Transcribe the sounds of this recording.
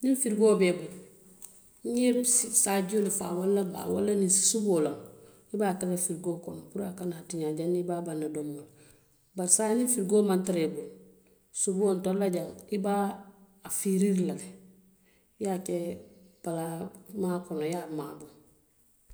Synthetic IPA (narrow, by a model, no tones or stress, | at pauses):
ninfiɾɡoːbeːbul | ɲebsisaɟolifa̰walːaba̰wa̰lːaninsi̥subolaŋ | ibakalafiɾɡoːkonpuɾakanaatiɲaɟanibabanːadomol | baɾsanifiɾɡoːmantaɾebul | subontolːaɟaŋibaː | fiɾiɾlaɡe | jakeb̥alamaːkonojamabu